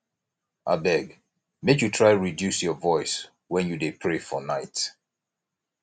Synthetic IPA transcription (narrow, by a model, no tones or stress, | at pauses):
ʔa̰bɛɡ | mekjutʰɹaɪɹidjusjɔvɔɪs | wɛ̃njudepʰɹefɔnaɪt